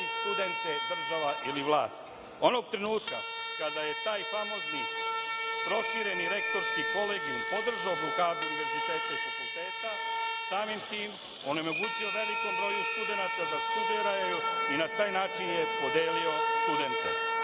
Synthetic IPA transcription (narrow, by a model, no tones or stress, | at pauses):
st̪ud̪e̞nt̪ed̪r̩ʒaʋaʔiliʋlˠaːst̪ | o̞no̞ɡ̚t̪ɾenuːt̪ka̰kad̪aje̞t̪aːjpamo̞zni | pɾo̞ʃiɾe̞niɾe̞kt̪o̞ɾskiko̞leɡɲumpo̞d̪r̩ʒaoblokaːd̪uuniʋe̞ɾzit̪et̪skoɡfakulˠt̪eːt̪a | saːmimt̪iːm | o̞nemo̞ɡuːt͡ɕio̞ʋe̞likembɾo̞ːjeust̪ud̪e̞nat̪ad̪ast̪ud̪iɾajjuinat̪aːjnaːt͡ʃinjepo̞d̪eːlio̞st̪ud̪e̞nt̪ḛ